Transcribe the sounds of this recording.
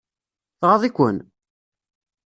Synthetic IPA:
θʁɑðˤikʷːən

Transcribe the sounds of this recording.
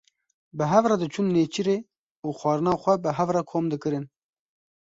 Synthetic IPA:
bɨɦɛvrɛd̪ɨt͡ʃʰunːeːt͡ʃʰiɾeː | uːxʷɑːɾɨnɑːxʷɛbɨɦɛvrɛkʰoːmd̪ɨkɨɾɨn

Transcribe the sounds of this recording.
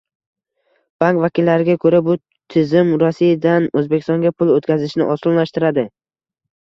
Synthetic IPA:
b̥aŋkvakʲɪlːaɾɪɡʲakʰɵɾabʊ | t̪ʰɪzɪmɾɒsijad̪anɵzbekʲɪ̥st̪ɒŋɡʲapʰʊlˠot̪kʲʰazɪʃnɪʔɒsɒllaʃt̪ɪɾad̪ɪ

